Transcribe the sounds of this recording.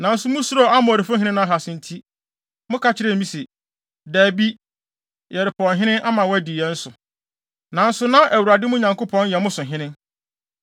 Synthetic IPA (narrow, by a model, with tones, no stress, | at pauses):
nã˨n̩˦sʊ˨mʊ̃˦su˦ɾɔ˦a˦mʊ̃˨æ˨ɾi˨fʊ̃˦ɦɪ̃˦nɪ̃˦nã˦˨ɦa˨sɪ̃˨n̩˨tʰi˦ | mʊ̃˦kʰa˦t͡ɕʰɪ˦ɾɛ˦˨mĩ˦se˨ | dæː˨bi˦ | jɛ˨ɾɪ˨pʰɔ˨nɦɪ̃˦nɪ̃˦nʔa˦mã˨wdi˨jɛ˦n̩˦sʊ˨ | nã˨n̩˦sʊ˦nã˦ʔæ˨wu˨ɾa˨dɪ˦mʊ̃˦ɲã˨ŋkʊ˦pʰɔ̃˦n˦jɛ˨mʊ̃˦sʊ̃˨ɦɪ̃˦nɪ̃˦